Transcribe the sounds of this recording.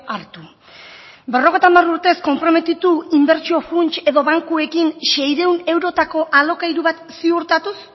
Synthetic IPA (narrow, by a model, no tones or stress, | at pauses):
aɾt̪u | be̞ro̞ɣ̞ejt̪amaruɾt̪e̞sko̞mpɾo̞me̞t̪it̪uimbe̞ɾt͡ʃio̞funt͡ʃe̞ðo̞βaŋkue̞kinʃe̞jɾe̞une̞wɾo̞t̪ako̞ʔalo̞kaiɾuβat̪siuɾt̪at̪us